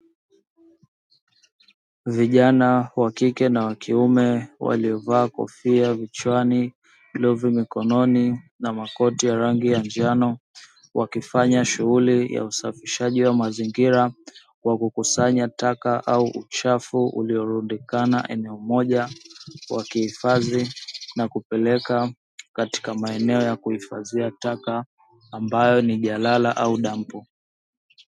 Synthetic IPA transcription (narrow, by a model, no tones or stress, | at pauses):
viʄanawakikɛnawakiumɛwa̰liɔvaːkɔ̰fiavit͡ʃwani | luvimikɔnɔninamakɔtijaɾaŋɡijand͡ʒanɔ | wakifaɲaʃuɣulija̰usafiʃaʄiwamaziŋɡiɾa | wakukusaɲatakaʔauʔṵt͡ʃafuṵliɔɾundikana̰ʔɛ̰nɛɔmɔʄawakihifazinakupɛlɛka | kati̥kamaɛnɛɔjakuhifaziatakaː | mbajɔniʄalalaʔauɗam̩pu